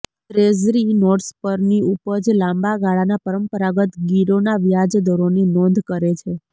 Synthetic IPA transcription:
t̪ɾezɾinɔɖspəɾniupəd͡ʒlãmbaɡaɭanapəɾəmpəɾaɡət̪ɡiɾonaʋjad͡ʒd̪ɔɾoninɔ̃nd̪ʱkəɾet͡ʃʰe

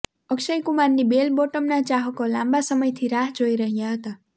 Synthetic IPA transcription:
ʌkʃəjkumanːibelboʈəmnat͡ʃaɦokolãmbasəməjt̪ʰiɾaɦd͡ʒoiɾəɦjaɦət̪a

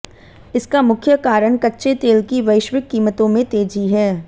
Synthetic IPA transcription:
ɪskamʊkʰjəkaːɾəɽ̃kɐtːʃet̪eːlkiʋɐɪʃʋɪkːiːmət̪õmẽt̪eːd͡ʒiɦɛː

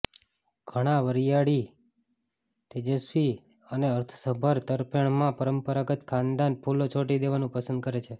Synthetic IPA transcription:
ɡ̥ʱəɽ̃aʋəɾjaɽi | t̪ed͡ʒəsʋi | əneəɾt̪ʰəsəbʱəɾt̪əɾpjəɳ̃mãpəɾəmpəɾaɡət̪kʰãnd̪anpʰulot͡ʃʰoʈid̪eʋanũpəsənd̪̚kəɾet͡ʃʰe

